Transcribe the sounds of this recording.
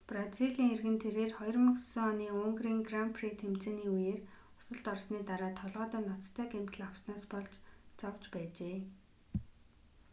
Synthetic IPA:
praziɮiːŋerɣɘ̆nt̪ʰeɾeːrχɔjɞ̆rmə̆ksəŋɔniːʊŋɡriːŋɡrampʰrit̪ʰem̥t͡seːniːujeːr | ʊ̥sə̆ɮt̪ɔrsniːt̪aɾaːt̪ʰːɔɮʁœːt̪œːnɔt͡st̪ʰœːɡem̥t̪ɘ̆ɮaw̥snaːspɔɮt͡ɕt͡sawt͡ɕpæːt͡ɕeː

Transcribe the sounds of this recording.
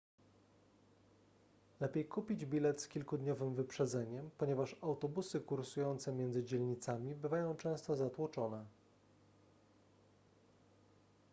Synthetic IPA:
lɛpʲejkupʲid͡ʑbʲilɛt̪skʲilkud̪ɲɔvɘmvɘpʂɛd̪zɛɲɛmpɔɲɛvaʂawt̪ɔbusɘkuɾsujɔnt̪sɛmʲjɛnd̪zɘd͡ʑɛlɲit̪samʲibɘvajɔ̃w̃t͡ʂɛ̃w̃st̪ɔzat̪wut͡ʂɔnɛ

